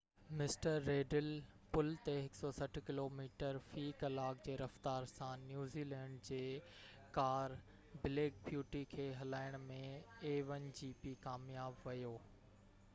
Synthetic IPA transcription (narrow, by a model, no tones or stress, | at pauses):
mɪsʈəɾːeːɖɪlpʊlt̪eɦɪksɔsɐʈʰkɪloːmiːʈəɾfiːkɐlaːk̚d͡ʑeːɾɐft̪aːɾsãnjuːziːlɛ̃ːɳɖd͡ʑeː | kaːɾ | bɪleːk̚bjuːʈikʰeːɦɐlaːɪɽ̃mẽeːʋənɪ̆d͡ʑiːpiːkaːmjaːbʋɐjoː